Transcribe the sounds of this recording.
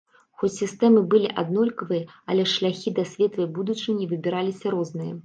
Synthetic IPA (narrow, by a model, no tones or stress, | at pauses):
xɔt͡sʲsʲist̪ɛmɨbɨlʲiʔad̪nɔlʲkɐvɨjɐ | ɐlʲɛʂlʲaxʲid̪ɐsʲvʲɛt̪vɨbud̪ut͡ʂɨnʲivɨbʲiɾalʲisʲɐɾɔznɨjɐ̰